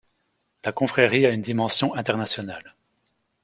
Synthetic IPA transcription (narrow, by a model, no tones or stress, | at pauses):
lakɔ̃fχɛʁiaynd̪imɑ̃sjɔ̃ʔɛ̃t̪ɛʁnasjɔnal